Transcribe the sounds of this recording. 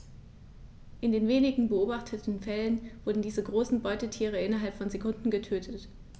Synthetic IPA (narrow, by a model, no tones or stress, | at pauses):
ʔɪndeːnveːnɪɡŋ̩bəoːbaχtʰətn̩fɛlənv̥ʊɐdn̩diːzəɡʁoːsn̩bɔʏtətʰiːʁ̞əɪnɐɦalpfɔnzekʰʊndn̩ɡətʰøːtʰət